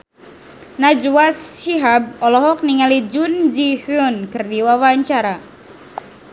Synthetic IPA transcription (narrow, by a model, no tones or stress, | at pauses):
nad͡ʒwasːiɦab̚ɔlɔɦɔk̚niŋalid͡ʒund͡ʒihʊnkɨrdiwawaɲt͡ʃaɾa